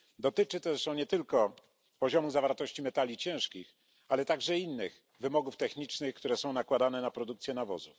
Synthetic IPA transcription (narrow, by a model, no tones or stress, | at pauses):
d̪ɔt̪ɘt͡ʂɘt̪ɛʂɔ̃ɲɛt̪ɘlkɔ | pɔʑɔmuzavaɾt̪ɔɕt͡ɕimɛt̪alʲit͡ɕɛ̃w̃ʂkʲix | alɛt̪aɡʐɛinːɘx | vɘmɔɡuft̪ɛxɲit͡ʂnɘxkt̪uɾɛsɔ̃w̃nakwad̪anɛnapɾɔd̪uk̚t̪sʲjɛnavɔ̰zuf